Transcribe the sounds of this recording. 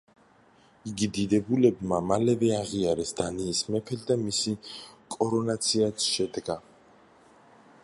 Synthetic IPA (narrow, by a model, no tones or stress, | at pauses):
iɡid̪id̪ɛbulɛbmamalɛvɛaʁiaɾɛsd̪̥aniːsmɛpʰɛld̪amisikʼɔɾɔnat̪sʰiat̪sʃɛd̪ɡa